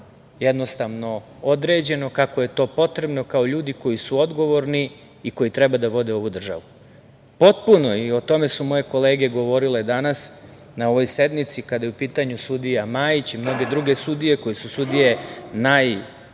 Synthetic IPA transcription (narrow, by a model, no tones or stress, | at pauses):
jed̪no̞st̪aʋno̞ | od̪ɾe̞ːd͡ʑe̞no̞kakoje̞t̪o̞ːpo̞t̪ɾe̞bno̞kao̞ʎuːd̪iko̞jisuo̞d̪ɡo̞ʋo̞ɾni | iko̞jit̪ɾebad̪aʋo̞d̪e̞o̞ʋud̪r̩ʒa̰ʋu | po̞t̪puno̞io̞t̪o̞me̞sumo̞je̞ko̞le̞ːɡe̞ɡo̞ʋo̞ɾile̞d̪anas | nao̞ʋo̞jse̞d̪mit̪sikad̪ajeupiːt̪aɲusud̪ijamaːjit͡ɕimno̞ɡe̞d̪ɾuɡe̞sud̪ije̞ko̞jisusud̪ije̞naj